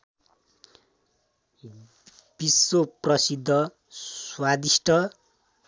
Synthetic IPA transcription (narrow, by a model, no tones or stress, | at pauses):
b̥isːoprʌsid̪ʱːʌ | wad̪isʈʰʌ